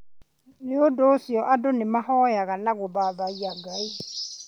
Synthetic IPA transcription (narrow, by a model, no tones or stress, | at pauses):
neodosiɔʔadonemahɔjaɣanaɣoβaːβaiaɡai